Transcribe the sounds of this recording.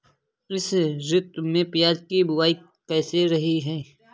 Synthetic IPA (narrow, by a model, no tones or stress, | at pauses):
ɪsɾʊt̪mẽpɪjaːd͡ʒkibʊwaːi | kɛːseɾɐɦiɦɛː